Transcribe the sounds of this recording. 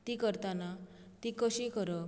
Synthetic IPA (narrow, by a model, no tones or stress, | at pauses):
t̪ikəɾt̪anat̪ikəɕikəɾɔ